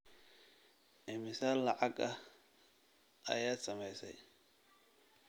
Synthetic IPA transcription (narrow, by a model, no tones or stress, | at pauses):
ʔɛmɪsaːlːɐʕɑɡɐ | ʔɐ̰jaːd̪sɐmɛjsɛ̰j